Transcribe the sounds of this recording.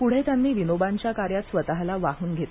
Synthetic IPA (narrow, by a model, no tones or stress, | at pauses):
puɽ̤et̪janːiːʋinobaɲt͡ɕjakaɾjat̪sʋət̪aɦlaʋaɦuːnɡʱet̪